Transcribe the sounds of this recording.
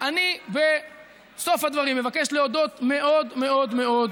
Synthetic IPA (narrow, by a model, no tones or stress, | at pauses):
ʔanibe | so̞fhad̪vaʁimːe̞vakeʃle̞od̪o̞t̪meʔo̞d̪me̞o̞d̪me̞o̞d̪